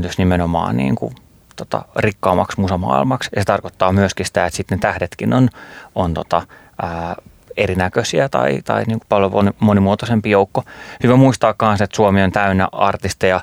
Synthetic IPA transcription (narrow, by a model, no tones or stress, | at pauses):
t̪ysnimenomɑ̰ːnnḭːŋkṵ | t̪ot̪ɑ̰rikːɑːmːɑksmusɑmɑ̰ːḭlmɑksjɑset̪ɑrkot̪ːɑːmyøskisi̥t̪æet̪sit̪net̪æhdet̪kinonont̪ot̪ɑ | øː | erinækøsiæt̪ɑ̰it̪ɑ̰iniːŋku̥pɑljoʋo̰nimonimuot̪osempijoukːohyʋæmuist̪ɑːkːkɑnset̪suomiont̪æynːæ̰ɑrt̪ist̪ɑjɑ